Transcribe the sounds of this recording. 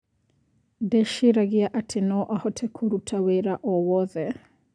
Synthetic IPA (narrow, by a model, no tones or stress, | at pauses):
dɛʃiɾaɣiaʔatʰɪnɔʔahɔtʰɛkʰoɾutʰaweɾaʔɔwɔðɛ